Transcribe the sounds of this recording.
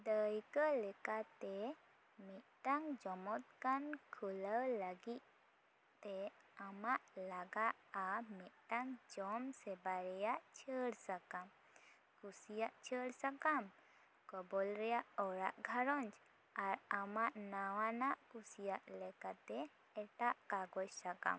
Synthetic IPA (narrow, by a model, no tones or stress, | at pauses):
d̪əjkəlɛkat̪ɛ | mit̪̚ʈaŋd͡ʒɔmɔt̪̚kankʰulələɡit̪̚ | t̪ɛamaʔlaɡaʔamit̪̚ʈaŋd͡ʒɔmsɛbaɾɛjaʔt͡ʃʰəɽsakam | kusijaʔt͡ʃʰəɽsakam | kɔbɔlɾɛjaʔɔɾaʔɡʱaɾɔɲt͡ʃ | aɾamaʔnawanaʔkusijaʔlɛkat̪ɛ | ɛʈaʔkaɡɔt͡ʃsaka̰m